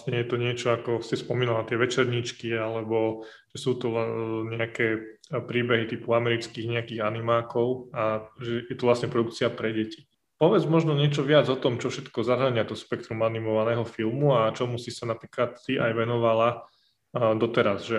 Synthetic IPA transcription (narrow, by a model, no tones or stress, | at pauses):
sɲɛjɛt̪ɔɲɪɛt͡ʃɔakɔsispɔmiːnalat̪ɪɛʋɛt͡ʃɛɾɲit͡ʃkialɛbɔ | ʒ̥ɛsuːt̪ɔɛɲɛakɛː | pɾiːbɛɦit̪iːpuamɛɾit͡skiːɣɲɛakiːɣanimaːkɔʊaʒɛjɛt̪ɔʋlast̪ɲɛpɾɔd̪uk̚t͡siapɾɛɟɛci̥ | pɔʋɛd͡zmɔʒnɔɲɪɛt͡ʃɔʋɪad͡zɔt̪ɔmt͡ʃɔfʃɛt̪kɔzaɦaɲɪat̪ɔspɛk̚t̪ɾumanimɔʋanɛːɦɔfilˠmuat͡ʃɔmusisanapɾiːklat̪siʔajʋɛnɔʋala | d̪ɔt̪ɛɾazʒɛ